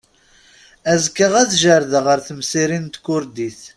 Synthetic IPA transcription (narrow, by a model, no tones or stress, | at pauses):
æzkːəʁæθʒəɾðəʁəɾθəmsiɾint̪kʊɾd̪iθ